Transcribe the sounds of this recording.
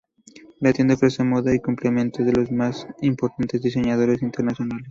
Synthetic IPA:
lat̪je̞nd̪aofɾesemoðaikumplemẽ̞nt̪oðelo̞zmasimpo̞ɾt̪ant̪e̞zðis̬e̞ɲað̞o̞ɾe̞sint̪eɾnasjo̞nales

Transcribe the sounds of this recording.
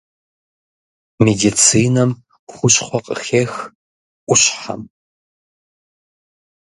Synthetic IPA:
medit͡sʰiːnɐm | χʷʊɕχʷɔqʼə̰xeːx | ʔʷʊɕħa̰m

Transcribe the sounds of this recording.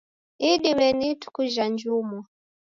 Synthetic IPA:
iɗimɛnitu̥kuʒand͡ʒumɔ

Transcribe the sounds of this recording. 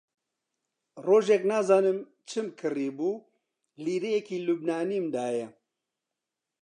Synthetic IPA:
roːʒɛknaːzaːnɨm | t͡ʃʰɨmkʰɨriːbuː | liːɾejɛkiːlubnaːniːmd̪aːjɛ

